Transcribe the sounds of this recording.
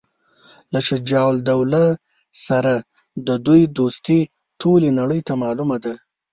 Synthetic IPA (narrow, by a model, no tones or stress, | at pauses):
laʃɪd͡ʒɑwld̪awla | saɾa | d̪əd̪ujd̪ost̪i | ʈʰolenaɽəjt̪amɑlumad̪a